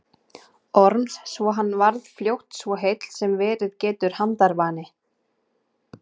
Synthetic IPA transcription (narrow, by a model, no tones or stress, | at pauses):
ɔɾmsːvɔɦanːvaɾðfljowht̪svɔɦejt̪l̥sɛmvɛːɾɪðcɛːt̪ʏɾ̥hant̪aɾvaːnɪ